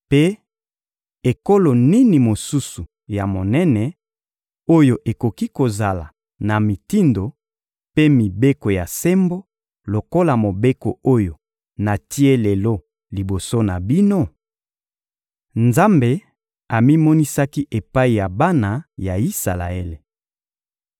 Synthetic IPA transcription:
pe˦ | e˨ko˦lo˨ni˦ni˨mo˨su˦su˨ | ja˨mo˨nɛ˦nɛ˨ | o˦jo˨ʔe˨ko˨ki˦ko˨za˨la̰˨ | na˨mi˨ti˦ndo˨ | pe˦mi˨be˦ko˨ja˨se˦mbo˦ | lo˨ko˦la˨mo˨be˦ko˨o˦jo˨ | na˨ti˦e˦lɛ˨lo˦ | li˨bo˨so˦na˨bi˦no˦ | nza˦mbe˨ | a˨mi˦mɔ˦ni˦sa˦ki˦ʔe˨pa˦i˨ja˨ba˦na˨ja˨i˦sa̰˨la̰˨e˦le˨

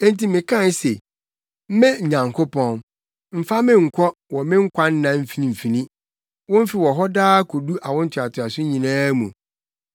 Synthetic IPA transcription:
ɛ̃˦n˦ti˦mɪ̃˨kʰã˦˨n˦se˨ | m̩˦mɛ̃˦ɲ̩˨ɲã˨ŋkʰo˦pʰɔ̃˦n | m̩˦fa˦mɪ̃˦ŋ̩˨kʷʰɔ˦wɔ˨mɪ̃˦ŋ̩˦kʷʰa˦n̩˦nã˦m̩˦fi˨nĩ˨m̩˨fi˨nĩ˦ | wʊ̃˦m̩˦fi˨wɔ˨ɦɔ˦daː˦kʰɔ˨du˦ʔa˨wɔ̃˦n̩˦tʰʊ˨a˨tʰɪ˨a˨sʊ˦ɲĩ˨nãː˦mṵ̃˨

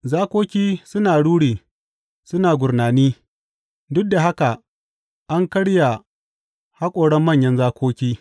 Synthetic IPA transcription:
zaː˦kʷoː˦kʲiː˦sʊ˦naː˨ɽuː˦ɽiː˨ | sʊ˦naː˨ɡʷʊ˨rnaː˨niː˦ | dʊ˦k̚da˨ɦa˦ka˨ | ʔa˦ŋkɐ˦ɽja˨ | ha˦kʷʼoː˨ɽɛ˦mːɐ˦˨ɲjɐ˦nzaː˦kʷʰoː˦kʲiː˦

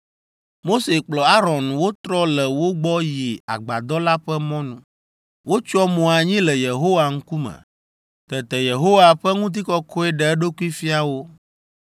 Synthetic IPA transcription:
mo˦se˨k͡plɔ˨a˦ɾɔ̃˨nwo˦t̪ɾɔ˦lɛ˨wo˦ɡ͡bɔ˦ji˨a̰˨ɡ͡ba˨d̪ɔ˦la˦ɸɛ˦mɔ̃˦nũ˦ | wo˦t͡ʃɔ˦mɔ̃˨a˨ɲĩ˦lɛ˨je˨ɦo˦wa˨ŋ̩˦ku˦mɛ̰˨ | t̪ɛ˨t̪ɛ˨je˨ɦo˦wa˨ɸɛ˦ŋũ˦t̪̬i˦kɔ˦kʰɔ˦ɛ˦ɖɛ˨ɛ˦ɖo˦ku˦i˦fi˦a˨wo˦

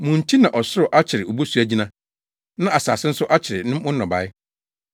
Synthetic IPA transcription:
mũ˨n̩˨tʰi˦nã˨ʔɔ˨sʊ˦ɾʊ˨ʔa˦t͡ɕʰɪ˨ɾɪ˨ʔo˨bo˦su˦æ˨d͡ʑi˦nã˦ | nã˦ʔa˨sa̰ː˨sɪ˦n̩˦sʊ˦ʔa˦t͡ɕʰɪ˨ɾɪ˨nɪ̃˦mʊ̃˦ɔ̃˨ba̰˨ɪ˦

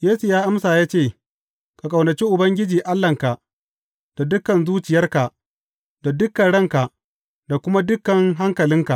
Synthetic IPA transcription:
jeː˦su˨jaː˦ʔa˦msaː˨jaː˦t͡ʃeː˦˨ | ka˨kʼɐ˨wnɐ˨t͡ʃi˦ʔʊ˨bɐ˦ŋɡʲɪ˦d͡ʒiː˨ʔa˦lːɐ˨ŋka˨ʔ | d̥a˨dʊ˦kːɐ˨nzuː˦t͡ʃɪ˨jɐ˦rka˨ʔ | d̥a˨dʊ˦kːɐ˨nɽɐ˦ŋka˨ʔ | da˨kʷʊ˦ma˦dʊ˦kːɐ˨ŋɦa˦ŋkɐ˨lɪ˦ŋka˨ʔ

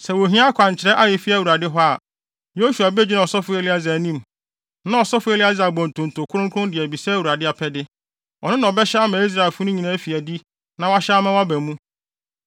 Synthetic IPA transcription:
sɛ˨wo˨ɦĩ˦a˦kʷʰã˨ɲ˨t͡ɕʰɪ˨ɾɛ˦ʔa˦jɛ˨fi˦æ˦˨wu˨ɾa˨dɪ˦ɦɔ˦a˨ | jo˦su˨a˨bɛ˦d͡ʑᶣi˦nã˨ɔ˨sɔ˦fʊ˦e˦lɪ˦a˦zɛ˨nĩ˦m | nã˦ɔ˨sɔ˦fʊ˦e˦lɪ˦a˦za˨bɔ̃˨n˨tʰʊ̃˨n˨tʰʊ˨kʰʊ˦ɾʊ̃˦kʰʊ̃˦dɪ˨ɛ˨bi˨sɛ˦wu˨ɾa˨dɪ˦a˨pʰɛ˦dɪ˦ | ɔ˨nʊ̃˦nã˨ɔ˨bɛ˦ɕɛ˦a˦mã˨i˦s̬ɾa˨e˨lfʊ˦nʊ̃˦ɲĩ˨nã˦fi˨æ˨di˦ | nã˨wa˦ɕɛ˦a˦mã˦wa˦bæ̃˨mũ˦

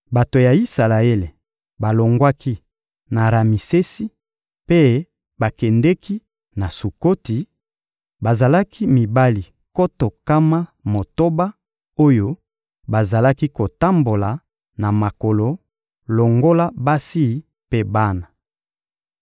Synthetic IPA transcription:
ba˨to˨ja˨i˦sa˨la˨e˦le˨ | ba˨lo˨ŋɡwa˦ki˦ | na˨ɾa˨mi˨se˦si˦ | pe˦ | ba˨kɛ˨ndɛ˦ki˦ | na˨su˨ko˦ti˨ | ba˨za˨la˦kʰi˦mi˨ba˦li˨ | ko˦to˨ka˦ma˦mo˨to˦ba˦ | o˦jo˦ | ba˨za˨la˦ki˦ko˨ta˦mbo˨la˨ | na˨ma˨ko˨lo˨ | lo˨ŋɡo˦la˦ba˦si˦˨˦ | pe˦ba˦na˨

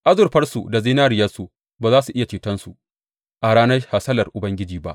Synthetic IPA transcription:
ʔa˦zʊ˨rɸɐ˦rsṵ˨da˨zi˦naː˦ɾɪ˨jɐ˦su˨ | baː˨zaː˦su˨ʔɪ˦ja˨t͡ʃiː˨tɐ˦nsu˨ | ʔa˨ɽaː˦nɐ˦rha˨sɐ˦lɐ˨rʔʊ˨bɐ˦ŋɡʲɪ˦d͡ʒiː˨ba̰˦ʔ

